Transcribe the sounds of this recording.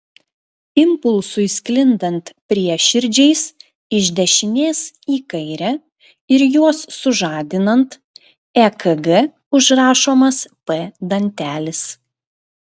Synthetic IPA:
ɪmpʊlˠˑsʊɪsʲklʲɪnd̪ɐnˑt̪pʲɾʲiɛʃʲɪɾʲd͡ʒʲɛɪs | ɪʒʲd̪ʲɛʃʲɪnʲeːsiːkɐɪɾʲɛ | ɪɾjuɔsːʊʒɑːd̪ʲɪnɐnt̪ | ɛkʰɐɡɛ | ʊʒɾɑːʃoːmɐspɛd̪ɐnʲt̪ʲæːlʲɪs

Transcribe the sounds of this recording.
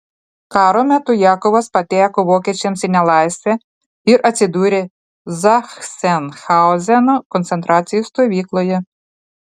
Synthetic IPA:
kɑɾɔmɛt̪ʊjɑkɔʋɐspɐt̪ʲɛjɐkʊʋɔket͡ʃʲɛmsʲɪnʲɐlˠɑjsʲɛ | iɾʔɐt͡sʲɪd̪uɾʲɪ | zɐxsɛnxɑɔzʲɛnɔkɔnt̪sent̪ɾɑt͡sʲijʊst̪ɔʋʲiklˠɔjʊ

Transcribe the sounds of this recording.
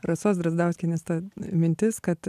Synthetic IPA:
rɐsoːsd̪ɾɐzd̪ɐʊsʲkʲɛnʲɛst̪ɐmʲɪnʲt̪ʲɪskɐt̪

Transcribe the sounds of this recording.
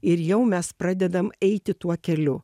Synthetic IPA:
ɪɾjɛʊmʲɛspɾɑːd̪ʲɛd̪ɐmɛɪt̪ʲɪt̪uɔkʲɛlʲʊ

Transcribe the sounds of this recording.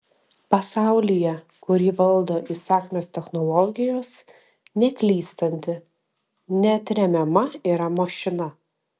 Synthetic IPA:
pɐsɑˑʊlʲɪjɛ | kʊɾʲiːʋɐlˠd̪oːʔisɑːkʲmʲoːst̪ʲɛxnɔlˠɔɡʲɪjoːs | nʲɛkʲlʲiːst̪ɐnʲt̪ʲɪ | nʲɛɐt̪ʲɾʲɛmʲɛmɐiːɾɐmoːʃʲɪnɐ

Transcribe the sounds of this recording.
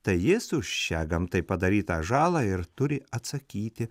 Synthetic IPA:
t̪ɐɪjɪsʊʃʲt͡ʃʲæːɡɐmt̪ɐɪpɐd̪ɐɾʲiːt̪ɐːʒɑːlˠɑɪɾt̪ʊɾʲɪɐt̪sɐkʲiːt̪ʲɪ

